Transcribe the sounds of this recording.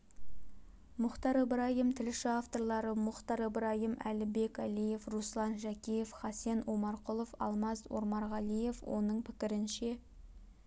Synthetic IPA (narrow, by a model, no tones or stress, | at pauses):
mʊχt̪ɑɾəbɪɾɑjimt̪ʰɪlʃɪaft̪o̞ɾlˠɑɾəmʊχt̪ɑɾəbɪɾɑjimæ̰lɪbe̞kʲælije̞fruslˠɑnʒækʲije̞fχɑse̞nwomɑɾqʊlˠofɑ̰lˠmɑzwo̰ɾmɑɾʁɑlˠije̞fwo̞̰nəɴpʰɪkʲɪɾɪnʃe̞